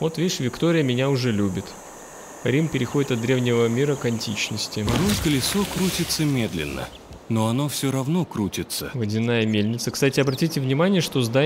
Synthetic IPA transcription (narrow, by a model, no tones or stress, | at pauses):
vo̞t̪vʲeʂvʲɪkt̪o̞ɾʲɪjəmʲɪnʲaʊʐɛlʲubʲɪt̪ | ɾʲimpʲɪɾʲɪxo̞dʲɪt̪ɐt̪̚d̪ɾʲe̞vnʲɪvəmʲiɾəkɐnʲtʲit͡ɕnəsʲtʲɪɾoskəlʲɪsokɾutʲɪt̪səmʲe̞d̪lʲɪ̰nːə̰ | noɐno̞fsʲoɾɐvnokɾutʲɪt̪səvədʲɪnːajəmʲelʲnʲɪt̪səkst̪atʲɪɐbɾɐtʲitʲɪvnʲɪmanʲɪjəʂt̪o̞zd̪a